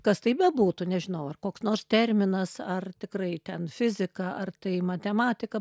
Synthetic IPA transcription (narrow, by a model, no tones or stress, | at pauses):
kɐst̪ɐɪpbʲɛbuːt̪ʊnʲɛʒʲɪnɐʊɐrkoːksnoːrst̪ʲɛrʲmʲɪnɐsɐrt̪ʲɪkrɐɪt̪ʲɛnfʲɪzʲɪkɐɐrt̪ɐɪmɐt̪ʲɛmɑːtʲɪkɐ